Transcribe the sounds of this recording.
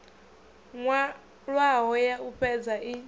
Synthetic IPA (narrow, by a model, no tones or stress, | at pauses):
ŋwa | ɺwaɦɔjauɸʰɛd͡zai